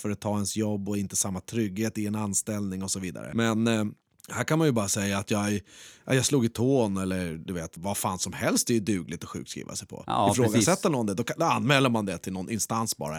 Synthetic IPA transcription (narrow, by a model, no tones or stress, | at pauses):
fœɾat̪ʰːɑːɛnsjɔbːɔɪnt̪ə̥samːat̪ʰɾʏɡːheːt̪ɪɛnanst̪ɛlnɪŋɔsɔviːd̪a̰ɾə̰mɛn | hæːɾkʰanmanjɵbɑːɾasɛjːaːt̪ʰjɑːʔa̰jɑsluːɡɪt̪ʰoːnɛlːəɾd̪ɵveːt̪vafaːnsɔmhɛlst̪d̪ɛjɵd̪ʉ̟ːɡlɪt̪ɔɧʉ̰ːkt̪skɾḭːva̰sɛjpʰɔ̰ɪfɾoːɡasɛt̪ːəɳɔnd̪ɛd̪ɔkd̪ɔanːmɛːlːəɾmand̪ɛt̪ʰɪlnɔnʔɪnst̪ansbɑ̰ːɾa̰